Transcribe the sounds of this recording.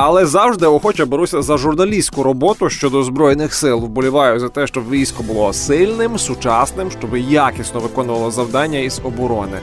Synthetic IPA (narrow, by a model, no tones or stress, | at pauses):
ɐlˠɛzɑwʒd̪ɪɔxɔt͡ʃɐbɔɾusʲɐzɐʒʊrnɐlʲisʲkʊɾɔbɔt̪ʊʃt͡ʃɔd̪ɔzbɾɔjnɪxsɪlˠwbɔlʲʊʋɑjʊzɐt̪ɛʃt͡ʃɔbʋʲijsʲkɔbʊlˠɔsɪlʲnɪmsʊt͡ʃɑsnɪmʃt͡ʃɔbɪjakʲisʲnɔʋɪkɔnʊʋɐlˠɔzɐwd̪ɑnʲːɐizɔbɔɾɔnɪ